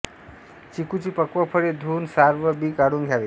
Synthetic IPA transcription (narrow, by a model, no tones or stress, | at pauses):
t͡sikut͡sipʌkwɔpʰəɾed̪ʱunsaɾbəbikaɽuŋɡʱjabe